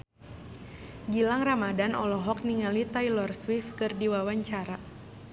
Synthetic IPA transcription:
ɡilaŋramadanɔlɔɦɔk̚niŋalit̪ajlɔrswifkɨrdiwawaɲt͡ʃaɾa

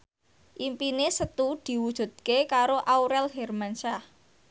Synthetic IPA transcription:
ʔimpinesət̪ud̪̥i̤wud̥ʒ̥ṳd̪̚kekaɾoʔawɾɛlɦɛrmanʃah

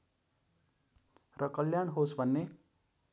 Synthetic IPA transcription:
rʌkʌljaɳɦosbʱʌnːe

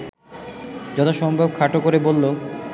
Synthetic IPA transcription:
d͡ʑɔt̪ʰaʃɔmbʱab̚kʰaʈokoɾebolːo

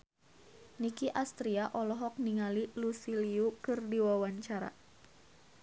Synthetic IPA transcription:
nikiʔast̪ɾiaʔɔlɔɦɔk̚niŋalilusiliukɨrdiwawaɲt͡ʃaɾa̰

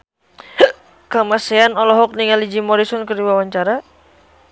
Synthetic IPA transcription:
kamasɛanɔlɔɦɔk̚niŋalid͡ʒimɔɾisɔnkərdiwawaɲt͡ʃaɾa

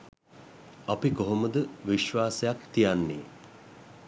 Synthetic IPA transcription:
apikoɦoməd̪əʋiʃʋaːsejakt̪ijanːḛː

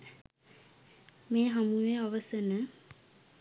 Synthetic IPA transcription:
meːɦamuʋeaʋəsənə

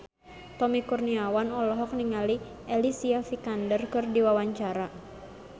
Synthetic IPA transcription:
t̪ɔmikurniawanɔlɔɦɔk̚niŋali | ʔelisiafikandərkɨrdiwawaɲt͡ʃaɾa

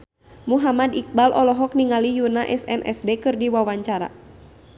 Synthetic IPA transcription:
muɦamadik̚balʔɔlɔɦɔk̚niŋalijunaʔɛsɛ̰nʔɛ̰sdekɨrdiwawaɲt͡ʃaɾa̰

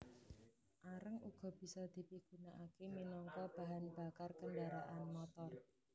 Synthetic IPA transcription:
ʔaɾəŋuɡ̥ɔ̤b̥i̤sɔd̪̥i̤piɡ̥ṳnaʔakeminɔŋkɔb̥a̤ɦanb̥akarkəndaɾaʔanmɔt̪ɔr

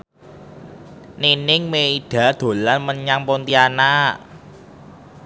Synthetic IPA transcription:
nenɪŋmeid̪̥a̤d̪̥o̤lanməɲaŋpont̪iana

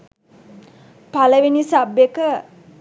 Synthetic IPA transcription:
paləʋinisabːekə

